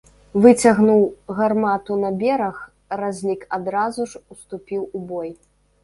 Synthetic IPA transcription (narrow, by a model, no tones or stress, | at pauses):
vɨt͡sʲaɣnuwɣarmat̪unɐbʲɛɾɐx | razʲlʲikad̪ɾazuʐust̪upʲiwubɔj